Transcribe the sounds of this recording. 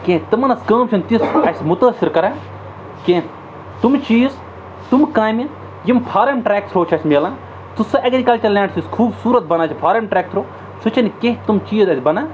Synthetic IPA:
kẽt̪ɨmɐnɐskəːmt͡ʃʰunt̪isɐsʲmʊt̪ɐːsiɾkɐɾaː | kẽ | t̪umt͡ʃiːz | t̪umkaːjmʲi | jimpʰaːɾɐmʈɾeːk̚sʰɾoːt͡ʃʰɐsʲmeːlãː | t̪usɐʔɐɡɾikɐlt͡ʃɐɾlʲãːɳʈsiskʰuːbsuːɾɐt̪̚bɐnaːt͡ʃʰipʰaːɾɐmʈɾɛːk̚sʰɾoː | sut͡ʃʰɐnkeɦt̪umt͡ʃiːzɐsʲbɐnaː

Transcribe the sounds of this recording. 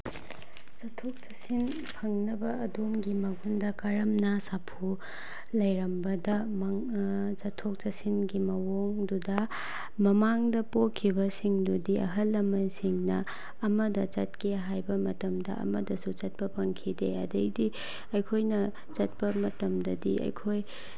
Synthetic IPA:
t͡ʃɐtʰːok̚t͡ʃɐsin | pʰɐŋnɐbɐːdomɡimɐɡundɐkɐɾɐmnɐsapʰu | lɐjɾɐmbɐdɐmɐŋ | t͡ʃɐtʰːok̚t͡ʃɐsinɡimɐwoŋdudɐ | mɐmaŋdɐpokʰːibɐsiŋdudiʔɐ̰ɦɐlːɐmɐnsiŋnɐ | ɐmɐdɐt͡ʃɐt̚kʰeɦajbɐmɐtɐmdɐ̰ɐ̰mɐdɐsut͡ʃɐt̚pɐpʰɐŋkʰideɐ̰dɐjdi | ɐjkʰojnɐ | t͡ʃɐt̚pɐmɐtɐmdɐdiʔɐ̰jkʰoj

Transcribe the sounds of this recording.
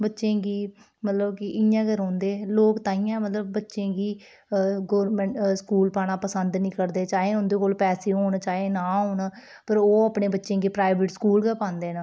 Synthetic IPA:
bətːʃẽːɡiː | mət̪ləbkɪʔɪjãːɡəɾɦõːnd̪eːloːkt̪ãːɪ̃jãːmət̪ləb̚ːətːʃẽːɡiː | ɡoːɾmɛ̃ɳʈskuːlpaːɽaːpəsənd̪nĩːkəɾd̪eːt͡ʃaːɦeːʊnd̪eːkoːlpɛːseːɦoːɳt͡ʃaːɦeːnãːɦoːn | pəɾoːaːpɳeːbətːʃẽːɡiːpɾaːɪbɪʈskuːlɡəːpãːnd̪eːnaː

